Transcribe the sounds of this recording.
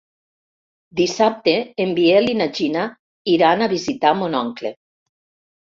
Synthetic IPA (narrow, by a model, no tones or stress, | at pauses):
d̪isap̚t̪eːmbielinad͡ʒina | iɾanaβizit̪amonɔŋklḛ